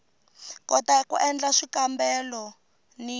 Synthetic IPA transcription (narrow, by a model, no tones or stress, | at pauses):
kɔtakṵʔɛnd͡ɮaʂikambɛlɔ | ni